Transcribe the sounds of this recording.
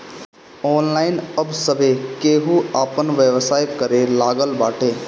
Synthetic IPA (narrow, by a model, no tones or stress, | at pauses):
ɔːnlaːɪnəbsəbʱekeːɦuaːpənʋjeʋsaːjkəɾelaːɡəlba̰ːʈʰeː